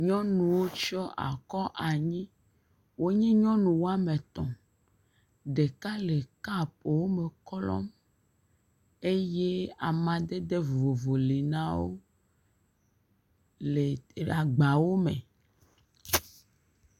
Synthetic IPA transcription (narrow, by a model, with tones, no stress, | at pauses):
ɲɔ̃˦nũ˨wo˦t͡ʃɔ˦ʔa̰˨kɔ˦ʔa˨ɲĩ˦ | wo˦ɲĩ˦ɲɔ̃˦nũ˨wo˦a˦mẽ˨t̪ɔ̃˨ | ɖe˨ka˦le˨ka˦p̚wo˦me˨kɔ˦lɔ̰˦m | e˦je˦a˨mã˨d̪e˦d̪e˦vo˨vo˨li˨nã˦wo̰˦ | le˨a˨ɡ͡ba˨wo˦mḛ˨